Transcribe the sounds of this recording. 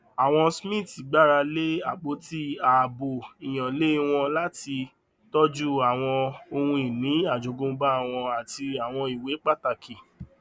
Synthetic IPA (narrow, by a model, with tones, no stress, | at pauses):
a˨w̃ɔ̃˧smĩ˦˨ti˨˦ɡ͡ba˦˨ɾa˧le˦a˦˨k͡po˨˦ti˦a˨bo˨i˨j̃ã˨le˦w̃ɔ̃˧la˦ti˧ | tɔ˦d͡ʒu˦a˨w̃ɔ̃˧o˧hũ˧i˨nĩ˨˦a˦˨d͡ʒo˨ɡõ˧˦ba˦˨w̃ɔ̃˧a˨ti˧a˨w̃ɔ̃˧i˨we˨˦k͡pa˦˨ta˧ki˨